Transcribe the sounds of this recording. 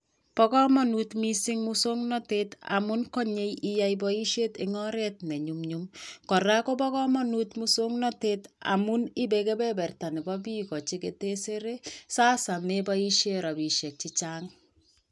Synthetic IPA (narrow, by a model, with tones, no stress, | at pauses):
pɔkɔ˦mɔ˦nutmi˦sɪ˦ŋmuso˦ŋnɔ˦teta̰˨mu˦nkɔ˦ɲe˦jija˦jbɔi˦ʃje˦teŋɔ˦ɾɛ˦t̚ne˨ɲumɲumkɔ˨ɾa˦ko˦pɔ˦kɔ˦mɔ˦nutmuso˦ŋnɔteta̰˨mu˦nɪ˦be˨ke˦bɛ˦bɛ˨rta˨ni˨bɔbi˦kɔ˨t͡ʃi˦kete˦se˦ɾe˦saː˦sa˨mebɔ˦i˦ʃjeɾɔ˨bi˨ʃɛ˨k̚t͡ʃi˦t͡ʃaːŋ